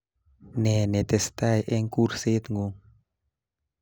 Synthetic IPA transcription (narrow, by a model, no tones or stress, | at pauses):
nɛnɛt̪ɛst̪ajʔeŋkurset̪ŋuŋ